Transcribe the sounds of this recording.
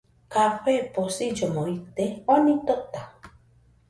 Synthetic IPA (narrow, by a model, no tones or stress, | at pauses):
kaɸeposid͡ʒomoit̪eonit̪ot̪a